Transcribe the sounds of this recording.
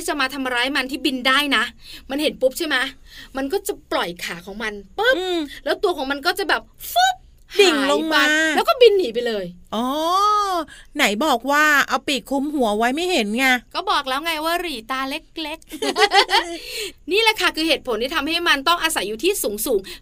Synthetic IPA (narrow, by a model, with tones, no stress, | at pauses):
iː˥˩t͡ɕa˨˩maː˧t̪ʰa˧ma˧ɾaː˦˥jma˧nt̪ʰiː˥˩bi˧ndaː˥˩jna˦˥ʔma˧nhe˨˩˦npu˦˥p̚t͡ɕʰa˥˩ma˦˥ʔ | ma˧nkɔː˥˩t͡ɕa˨˩plɔ˨˩jkʰaː˩˦kʰɔː˩˦ŋma˧npɯ˦˥lɛː˦˥wt̪u˧ɐkʰɔː˩˦ma˧nk̬ɔː˥˩t͡ɕa˨˩bɛː˨˩p̚fɯ˦˥p̚ | hdia˨˩ŋ˦lo˧ŋmaaː˧ɛː˦˥wkɔː˥˩bi˧nːiː˩˦pa˧jlɤː˧jʔɔː˧˦ | na˩˦jbɔː˨˩k̚waː˥˩ʔa˧wpiː˨˩kʰu˧mɦu˨˩˦wa˦˥jma˥˩jhe˨˦nŋa˧˩kɔː˥˩bɔː˨˩k̚lɛː˦˥wŋa˧jwaː˥˩ɾiː˨˩t̪aː˧le˦˥k̚le˦˥k̚ | niː˥˩lɛ˨˩kʰa˥˩kʰɯː˧heː˨˩t̪̚pʰo˩˦nt̪ʰiː˥˩t̪ʰa˧mha˥˩jma˧nt̪ɔ˥˩ŋʔaː˧sa˨˩˦jːuː˨˩t̪ʰiː˥˩suː˩˦ŋsuː˩˦ŋ